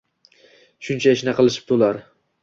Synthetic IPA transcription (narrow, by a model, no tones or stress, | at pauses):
ʃʊnt͡ʃʰaeʃnaqʰɨlˠɪʃɪ̥p̚t̪ʰolaɾ